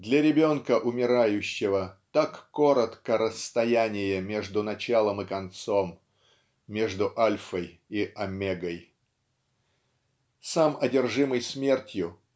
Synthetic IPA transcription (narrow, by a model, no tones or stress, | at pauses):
d̪lʲɐɾʲɪbʲo̞nkəʔʊmʲɪɾajʉɕːɪvət̪akːo̞ɾət̪kəɾəst̪ɐjænʲɪjəmʲe̞ʐd̪ʊnɐt͡ɕalˠəmɨkɐnt̪so̞mːʲ | e̞ʐd̪ʊʔalʲfəj | iʔɐmʲeɡəj | samɐdʲɪrʐɨməjsmʲe̞rtʲjʊ